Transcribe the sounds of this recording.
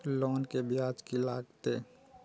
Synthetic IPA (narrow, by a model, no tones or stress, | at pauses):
lɔːnkebɪjaːd͡ʒkilaːɡt̪eː